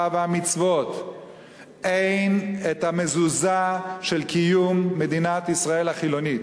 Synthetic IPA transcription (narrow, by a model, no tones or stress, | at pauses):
avamit͡svo̞t̪ | ʔejnet̪hamezuzaʃelkijumːe̞d̪inat̪isʁae̞lhaχilo̞nit